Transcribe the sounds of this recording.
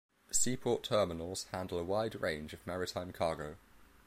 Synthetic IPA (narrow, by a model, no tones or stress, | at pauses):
siːpʰɔˑtʰɜːmɪnəlˠz̥hãndələwaɪdɹẽɪ̃nd͡ʒəvmaɹɪtʰãɪ̃mkʰɑːɡəʊ